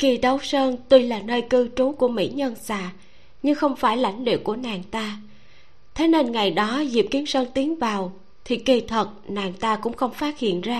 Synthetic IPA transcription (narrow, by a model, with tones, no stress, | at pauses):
ki˧˩ɗə˨˦wsəː˧nt̪wi˧laː˨˩nəː˧jkɨ˧t͡ɕu˨˦ku˧˩əmḭ˧˥ɲə˧nsaː˧˨ | ɲɨ˧ŋxə˧wŋ͡mfaː˧˩jla̰˧˩jŋ̟lḭ˧˨wku˧˩ənaː˨˩ŋt̪aː˧ | t̪ʰe˨˦ne˧nŋa˨˩jɗɔ˨˦zi˨˩p̚ki˨˦əmsəː˧nt̪i˨˦əŋvaː˨˩w | t̪ʰi˨˩ki˧˩t̪ʰə˨˩t̚naː˨˩nt̪aː˧kʊ̰˧˥ŋ͡mxə˧wŋ͡mfaː˦˥t̚hḭ˧˨ənzaː˧